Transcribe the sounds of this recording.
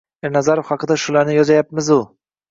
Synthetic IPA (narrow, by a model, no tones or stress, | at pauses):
ɪɾnazaɾofχɑqɨd̪aʃʊlaɾnɪjɒzajap̚mɪzʊ